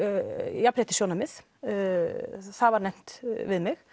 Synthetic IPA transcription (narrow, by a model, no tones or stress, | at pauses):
jæpʰɾɛːt̪əʃjoːnɑmɪs | sɑːʋaɾnɛm̥t̪ʋɪðmɛɣ